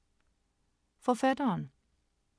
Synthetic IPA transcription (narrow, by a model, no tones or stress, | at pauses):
fɔfɛd̪əən